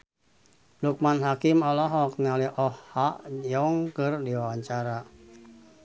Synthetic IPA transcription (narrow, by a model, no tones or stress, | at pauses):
luk̚manɦakimɔlɔɦɔk̚nɛɔlɛʔɔhhːaʔjɔŋkɨrdiwawaɲt͡ʃaɾa